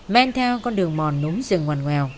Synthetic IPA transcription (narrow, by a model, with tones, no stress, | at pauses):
mɛ˧nt̪ʰɛ˧wkɔ˧nɗɨ˨˩əŋmɔ˨˩nːu˨˦ŋzɨ˨˩ŋwa˨˩jŋŋwɛ˨˩w